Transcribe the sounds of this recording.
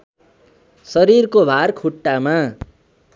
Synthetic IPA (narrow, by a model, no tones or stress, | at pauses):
sʌɾirkobʱarkʰuʈːama